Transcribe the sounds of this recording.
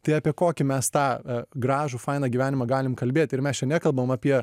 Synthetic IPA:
t̪ɐɪɑːpʲiɛkoːkʲɪmʲɛst̪ɑːɡɾɑːʒuːfɐɪnɑːɡʲiːʋʲæːnʲɪmɐɡɑːlʲɪmkɐlʲbʲeːt̪ʲɪɾmʲɛst͡ʃʲɛnʲɛkɐlˠbɐʋoːmɐpʲiɛ

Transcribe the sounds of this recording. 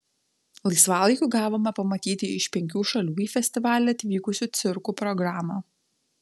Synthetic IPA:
lˠɐɪsʋɑːlˠɐɪkʲuːɡɑːʋoːmʲɐpɐmɐt̪ʲiːt̪ʲɪɪʃpʲɛŋʲkʲuːʃɐlʲuːiːfʲɛsʲt̪ʲɪʋɑːlʲɛɐt̪ʲʋʲiːkʊsʲuːt̪sʲɪɾkuːpɾɔɡɾɑːmɑː

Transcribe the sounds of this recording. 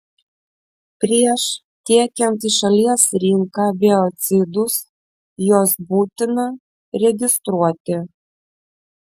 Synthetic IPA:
pʲɾʲiɛʃ | t̪ʲiɛkʲɛnt̪iːʃɐlʲiɛsɾʲɪŋkɑːbʲɛɔt̪sʲɪd̪ʊs | joːsbuːt̪ʲɪnɐ | ɾʲɛɡʲɪst̪ɾuɔt̪ʲɪ

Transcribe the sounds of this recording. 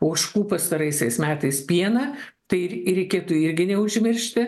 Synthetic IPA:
oːʃkuːpɐst̪ɐɾɐɪsʲɛɪsmʲæːt̪ɐɪspʲiɛnɐ | t̪ɐɪɾʲɛɪkʲeːt̪ʊɪɾʲɡʲɪnʲɛʊʒʲmʲɪɾʲʃʲt̪ʲɪ

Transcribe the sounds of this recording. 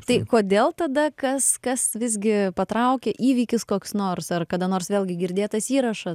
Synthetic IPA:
t̪ɐɪkoːd̪ʲeːlˠt̪ɐd̪ɐkɐskɐsʋʲɪzʲɡʲɪpɐt̪ɾɐʊkʲɛʔiːʋʲiːkʲɪskoːksnoːrsɐrkɐd̪ɐnoːrsʋʲeːlʲɡʲɪɡʲɪɾʲd̪ʲeːt̪ɐsiːɾɐʃɐ

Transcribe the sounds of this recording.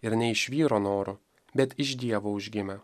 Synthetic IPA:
ɪɾnʲɛɪʃʲʋʲiːɾoːnoːɾʊ | bʲɛt̪ɪʒd̪ʲiɛʋoːʊʒʲɡʲɪmʲɛ

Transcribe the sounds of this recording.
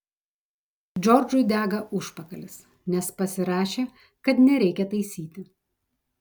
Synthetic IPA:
d͡ʒʲɔɾd͡ʒʊɪd̪ʲæːɡɐʔʊʃpɐkɐlʲɪs | nʲɛspɐsʲɪɾɑːʃʲeː | kɐt̪nʲɛɾʲɛɪkʲɛt̪ɐɪsʲiːt̪ʲɪ

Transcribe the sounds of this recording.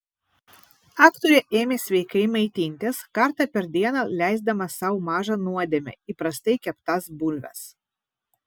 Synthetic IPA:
ɑːkt̪oɾʲɛʔeːmʲeːsʲʋʲɛɪkɐɪmɐɪt̪ʲinʲt̪ʲeskɐɾt̪ɑpʲɛɾd̪ʲiɛnɐlʲæˑɪzd̪ɐmɐsɑʊmɑːʒɐnuɔd̪ʲemʲɛ̰ipɾɐsʲt̪ɐɪkʲɛpt̪ɐsbʊlʲʋʲɛ̰s

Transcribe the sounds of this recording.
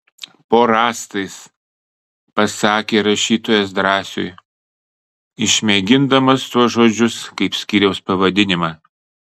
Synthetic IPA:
poːɾɑːst̪ɐɪs | pɐsɑːkʲeːɾɐʃʲiːt̪oːjos̬d̪ɾɑːsʲʊ̰j | ɪʃʲmʲeɡʲɪnd̪ɐmɐst̪uɔsʒoːd͡ʒʲʊskɐɪpsʲkʲiːɾʲɛʊspɐʋɐd̪ʲɪnʲɪmɑː

